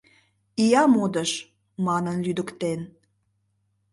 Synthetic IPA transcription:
ijɑmod̪əʃ | mɑnənlyd̪əkt̪en

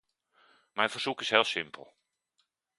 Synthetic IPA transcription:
mɛjnvərz̥ukɪsɦeːlˠsɪmpʰə̰lˠ

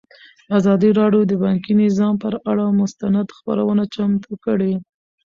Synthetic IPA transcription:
azɑd̪əɾɑɖjod̪əbɑŋkinɪzɑmpəɾaɽamʊst̪anad̪xpa̰ɾa̰wənat͡ʃamt̪əkəɽe

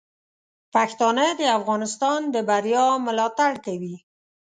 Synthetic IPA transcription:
paxt̪ɑnəd̪əafɣɑnɪst̪ɑnd̪əbaɾjɑməlɑt̪aɽt̪awi

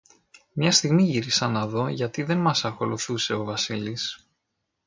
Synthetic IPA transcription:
mɲɐst̪iɣmiʝiɾisɐnɐðo̞ʝɐt̪iðe̞nmɐsɐxo̞luθuse̞o̞vɐsilis

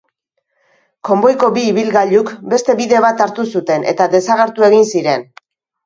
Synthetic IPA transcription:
ko̞mbo̞jko̞biːβ̞ilɣaʎukbe̞st̪e̞βiðe̞β̞at̪aɾt̪usut̪e̞ne̞̰t̪aðe̞saɣ̞e̞ɾt̪ue̞ɣinsiɾe̞n

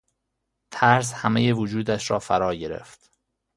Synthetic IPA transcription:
t̪ʰæɾshæmejevod͡ʒuːd̪æʃɾɒːfæɾɒːɟe̞ɾḛft̪

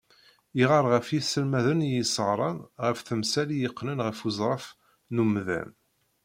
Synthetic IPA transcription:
iʁɑɾˤʁəfjisəlmæðənjisˤəʁɾˤɑnʁəfθəmsælijəqːnənʁəfuzˤɾˤɑf | numðæ̰n

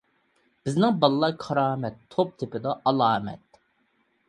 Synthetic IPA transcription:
b̥ɪznɪŋbɑlˠlˠɑɾkʰɑɾɑːmɛt̪ʰːop̚t̪ʰɪpɪd̪ɑɑlˠɑːmɛ̰t̪̚

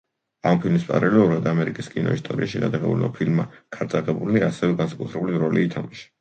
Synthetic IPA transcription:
ampʰilmispʼa̰ɾɛlɛuɾad̪amɛɾikʼiskʼinɔ̰ist̪ʼɔɾḭaʃiɡa̰d̪aʁɛbṵlɔ̰pʰilmːakʰaɾt̪sʼaʁɛbuliaːsɛvɛɡansakʼut̪ʰɾɛbuliɾɔliːt̪ʰamaʃḁ

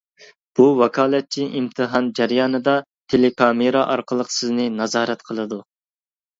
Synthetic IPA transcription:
b̥uwɑkʰɑːlˠɛt̪̚t͡ʃʰiʔimt̪ʰɨɦɑnd͡ʒæɾjɑːnɨd̪ɑ | t̪ʰelekʰɑmeɾɑʔɑ̰ɾqʰəlˠəqʰsɨznɨnɑzɑːɾɛt̪qʰəlˠɨd̪u

